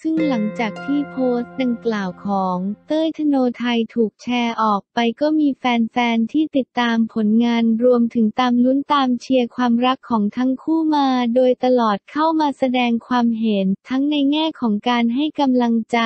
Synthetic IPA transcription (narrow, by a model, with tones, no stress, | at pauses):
sɯ˥˩ŋla˩˦ŋt͡ɕaː˨˩k̚t̪ʰiː˥˩pʰoː˦˥st̪̚da˧ŋklaː˨˩wkʰɔː˩˦ŋt̪ɤː˥˩jt̪ʰa˧noː˧t̪ʰa˧jt̪ʰuː˨˩k̚t͡ɕʰɛː˧ʔɔː˨˩k̚pa˧jkɔː˥˩miː˧fɛː˧nfɛː˧nt̪ʰiː˥˩t̪i˨˩t̪ːaː˧mpʰo˩˦nŋaː˧nɾu˧əmt̪ʰɯ˩˦ŋt̪aː˧mnu˦˥nt̪aː˧mt͡ɕʰi˧əkʰwaː˧mɾa˦˥kʰːɔː˩˦ŋt̪ʰa˦˥ŋkʰuː˥˩maː˧doː˧jt̪a˧lɔː˨˩t̪̚kʰa˥˩wmaː˧sa˧dɛː˧ŋkʰwaː˧mɦe˩˦nt̪ʰa˦˥ŋna˧jŋɛː˥˩kʰɔː˩˦ŋkaː˧nɦa˥˩jka˧mla˧ŋt͡ɕa˨˩